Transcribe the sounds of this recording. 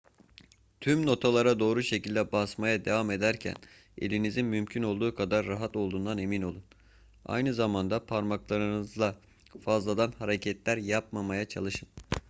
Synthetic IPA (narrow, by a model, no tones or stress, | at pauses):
t̪ʰymno̞t̪ʰalˠaɾad̪o̞ːɾuʃecilʲd̪ɛbasmajad̪e̞vame̞d̪æɾcʰæ̰n | e̞̰lʲinizinmymcʰyno̞lˠd̪uːkʰad̪aɾːaɦat̪o̞lˠd̪uːnd̪ane̞mino̞lˠun | a̰jnɯzamand̪apʰaɾmaklˠaɾɯnɯzlˠa | fazlˠad̪anhaɾecʰɛt̪lʲæɾjap̚mamajat͡ʃʰa̰lˠɯʃɯn